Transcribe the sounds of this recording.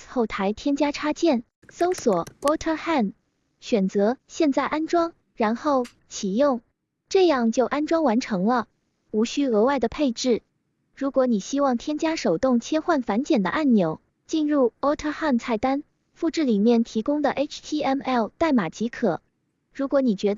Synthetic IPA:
xo˥˩ʊt̪ʰa˧˥ɪt̪ʰjɛ˥nt͡ɕja˥ʈ͡ʂʰa˥t͡ɕjɛ˥˩n | so˥ʊswɔ˨˩˦ɔ˥t̪ʰə˥xa˥˩n | ɕɥɛ˨˩nt͡sɤ˧˥ɕjɛ˥˧nt͡sa˥˩ɪʔa˥nʈ͡ʂwɑ˥ŋ | ɻa˧˥nxo˥˩ʊ | t͡ɕʰi˨˩jʊ˥˩ŋ | ʈ͡ʂɤ˥˧jɑ˥˧ŋt͡ɕjo˥˩ʊʔa˥nʈ͡ʂwɑ˥ŋwa˧˥nʈ͡ʂʰɤ˧˥ŋlə˧ | u˧˥ɕy˥ɤ˧˥wa˥˩ɪd̪ə˩pʰe˥˧ɪʈ͡ʂɻ̩˥˩ | ɻu˧˥kwɔ˧˥ni˨˩ɕi˥wɑ˥˩ŋt̪ʰjɛ˥nt͡ɕja˥ʂo˨˩ʊt̪ʊ˥˩ŋt͡ɕʰjɛ˥xwa˥˩nfa˧˥nt͡ɕjɛ˨˩nd̪ə̰˦ʔa˥˩nnjo˧˥ʊ | t͡ɕi˥˧nɻu˥˩ɔ˥t̪ʰə˥xa˥˩nt͡sʰa˥˩ɪt̪a˥n | fu˥˧ʈ͡ʂɻ̩˥˩li˨˩mjɛ˥˩nt̪ʰi˧˥kʊ˥ŋd̪ə˨ʔe˥ʈ͡ʂʰt̪ʰi˥ɛ˥˩mɛ˥˩lt̪a˥˩ɪma˨˩t͡ɕi˧˥kʰɤ˨˩˦ | ɻu˧˥kwɔ˧˥ni˨˩t͡ɕɥɛ˧˥

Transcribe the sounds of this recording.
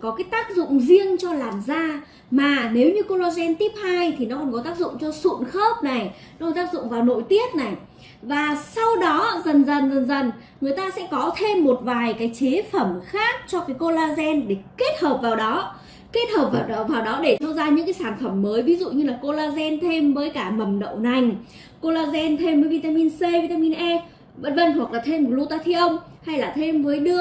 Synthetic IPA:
kɔ˨˦kaː˨˦jt̪aː˦˥k̚zʊ̰˧˨ŋ͡mzi˧əŋt͡ɕɔ˧laː˨˩mzaː˧ | maː˨˩ne˨˦wɲɨ˧ko˧laː˧zɛ˧nt̪i˦˥əp̚ha˧jt̪ʰi˨˩nɔ˨˦kɔ˧˩nkɔ˨˦t̪aː˦˥k̚zʊ̰˧˨ŋ͡mt͡ɕɔ˧sṵ˧˨nxəː˦˥p̚na˨˩jnnɔ˨˦kɔ˧˦t̪aː˦˥k̚zʊ̰˧˨ŋ͡mvaː˨˩wno̰˧˨jt̪i˦˥ət̚na˨˩j | vaː˨˩sa˧wɗɔ˨˦zə˨˩nzə˨˩nzə˨˩nzə˨˩n | ŋɨ˨˩əjt̪aː˧sɛ̰˧˥kɔ˨˦t̪ʰe˧mːo˨˩t̚vaː˨˩jkaː˨˦jt͡ɕe˨˦fə˧˩mxaː˦˥k̚t͡ɕɔ˧kaː˨˦jko˧laː˧zɛ˧nɗe˧˩ke˦˥t̚həː˨˩p̚vaː˨˩wɗɔ˨˦ | ke˦˥t̚həː˨˩p̚vaː˨˩p̚ɗwvaː˨˩wɗɔ˨˦ɗe˧˩t̪ʰa˧wzaː˧ɲɨ̰˧˥ŋkaː˨˦jsaː˧˩nfə˧˩mːəː˨˦jvi˨˦zṵ˧˨ɲɨ˧laː˨˩ko˧laː˧zɛ˧nt̪ʰe˧mvəː˨˦jkaː˧˩mə˨˩mɗə̰˧˨wna˨˩jŋ̟ | ko˧laː˧zɛ˧nt̪ʰe˧mvəː˨˦jvi˧t̪aː˧mi˧nse˧vi˧t̪aː˧mi˧nʔɛ˧˥s | və̰˧˥nvə˧nhwa˨˩k̚laː˨˩t̪ʰe˧mo˨˩lu˧˦t̪aː˧t̪ʰi˧ʔə˧wŋ͡m | ha˧jlaː˨˩t̪ʰe˧mvəː˨˦jɗɨ˧ə

